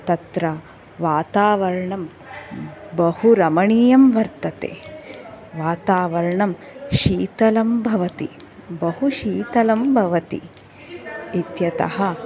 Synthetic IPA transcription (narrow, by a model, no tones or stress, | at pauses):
t̪ɐt̪ɾɐ | ʋaːt̪aːʋɐɾɐɳɐm | bɐhuɾɐmɐɳiːjɐmʋɐɾt̪ɐt̪ḛː | ʋaːt̪aːʋɐɾɐɳɐm | ʃiːt̪ɐlɐmbʱɐʋɐt̪ḭ | bɐhuʃiːt̪ɐlɐmbʱɐʋɐt̪ḭ | it̪jɐt̪ɐ̰ɦɐ